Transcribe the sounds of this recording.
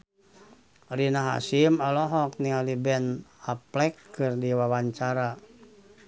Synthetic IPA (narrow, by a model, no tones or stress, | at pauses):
rinaɦa̰simalɔɦɔk̚niŋalibɛnaplɛkːɨrdiwawaɲt͡ʃaɾa